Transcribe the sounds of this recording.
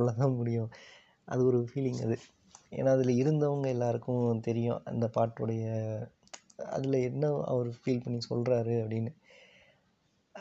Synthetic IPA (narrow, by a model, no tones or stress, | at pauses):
lːɐt̪ãːmʊɽɪjʊ̃ | ʔɐ̰ðɯɔɾɯfiːlɪŋɡɐðɯ | ḛːnːaːɐðɪlɐɪɾɯnd̪ɐʋɐŋɡɐɛlːaːɾɯkːʊ̃t̪ɛɾɪjʊ̰̃ʔɐ̰nd̪ɐpaːʈːɯɽɐjɐ | ɐ̰ðɪlɐɛnːɐɐ̰ʋɐɾɯfiːlpɐɳːisɔ̰lɾaːɾɯɐpːɐɽɪnːɯ